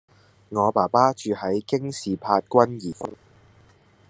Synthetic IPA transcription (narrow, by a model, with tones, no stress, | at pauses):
ŋɔː˨˧paː˨˩paː˥t͡ʃyː˨˧hɐ˨˥jkɪ˥ŋsiː˨pʰaː˧t̚kʷɐ˥njiː˨˩f̚